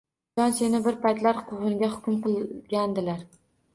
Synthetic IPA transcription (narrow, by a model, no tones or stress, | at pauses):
ɒnsenɪbɪɾpajt̪laɾqʰʊʁɨnɡʲahʊkʲʰʊmqɨlˠɡʲand̪ɪlaɾ